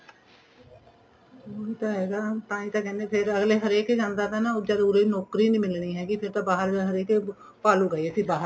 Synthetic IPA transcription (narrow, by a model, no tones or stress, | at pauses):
oːit̪ãːɦɛːɡaːpãːĩːt̪ãːkɛːneːpʰɪɾəɡleːɦəɾeːked͡ʒãːnd̪aːt̪aːnaːd͡ʒaːd̪uɾenɔːkɾiːnĩːmɪlɳiːɦɛːɡipʰɪɾt̪ãːbaːɦəɾɦəɾeːkː | paːluːɡəːsiːbaːɦəɾ